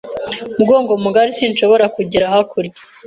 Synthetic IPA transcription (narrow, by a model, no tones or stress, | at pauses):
bɡoːŋɡomuɡaɾisinʃo̞βo̞ɾakuɟiɾaɦakʰuɾɟe̥